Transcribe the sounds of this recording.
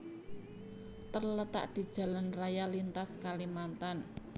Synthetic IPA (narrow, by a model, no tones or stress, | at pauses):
t̪ərlət̪a̰ʔd̪̥i̤d̥ʒ̥a̤lanrajalint̪askalimant̪an